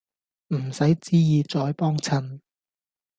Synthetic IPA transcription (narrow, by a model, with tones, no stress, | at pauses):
m̩˨˩sɐ˨˥jt͡siː˥jiː˨˧t͡sɔː˨˥jpɔː˥ŋt͡sʰɐ˧n